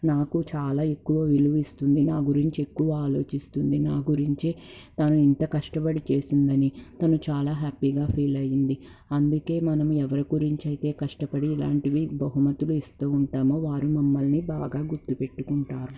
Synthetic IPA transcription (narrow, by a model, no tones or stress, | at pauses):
naːkut͡ʃaːlaːe̞kːuʋɐʋiluʋist̪und̪inaːɡuɾiɲt͡ʃie̞kːuʋɐaːlo̞ːt͡ʃist̪und̪inaːɡuɾiɲt͡ʃit̪ɐnuint̪ɐkɐʂʈɐpɐɽit͡ʃe̞ːsind̪ɐnit̪ɐnut͡ʃaːlaːɦaːpiɡaːpʰiːlɐjind̪i | ɐnd̪uke̞ːmɐnɐmuɛʋɐɾiɡuɾiɲt͡ʃɐjit̪e̞ːkɐʂʈɐpɐɽiːla̰ːɳʈiʋibɐɦumɐt̪uluist̪uːuɳʈaːmoːʋaːɾumɐmːɐlnibaːɡaːɡuɾt̪ːupe̞ʈːukuɳʈaːɾu